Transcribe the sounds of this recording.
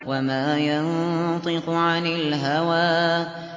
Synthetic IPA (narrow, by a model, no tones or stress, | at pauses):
wamaːjant̪ˤɨqʊʕanɪlɦawaː